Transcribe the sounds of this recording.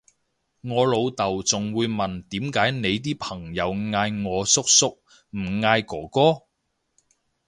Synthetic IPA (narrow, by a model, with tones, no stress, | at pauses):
ŋɔː˨˧lo˨˧wt̪ɐ˨wt͡sʊ˨ŋwuː˨˧jmɐ˨nt̪iː˨˥mkaː˨˥jne˨˧jt̪̬iː˥pʰɐ˨˩ŋjɐ˨˧wŋaː˧jŋɔː˨˧sʊ˥k̚sʊ˥k̚ | m̩˨˩ŋaː˧jkɔː˨˩kɔː˥